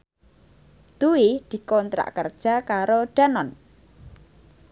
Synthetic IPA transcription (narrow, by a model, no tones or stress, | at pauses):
d̪̥uwid̪̥i̤kɔnt̪ɾa̰ʔkərd̥ʒ̥akaɾoɖ̥a̤nɔn